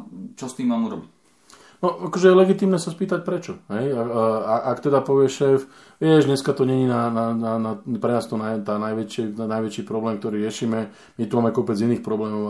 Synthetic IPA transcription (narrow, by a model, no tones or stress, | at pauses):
t͡ʃɔst̪iːmaːmuɾɔbic | nɔakɔʒɛjɛlɛɡit̪iːmnɛːsaspiːt̪ac̚pɾɛt͡ʃɔɦɛjaaʔakt̪ɛd̪apɔʋɪɛʃɛːf | jɛʒɲɛskat̪ɔɲɛɲiːnanananapɾɛnaːst̪ɔnajt̪aːnajʋɛt͡ʃɪɛnajʋɛt͡ʃiːpɾɔblɛːmk̚t̪ɔɾiːɾɪɛʃiːmɛ | mit̪umaːmɛkɔpɛd͡ziniːxpɾɔblɛːmɔʊ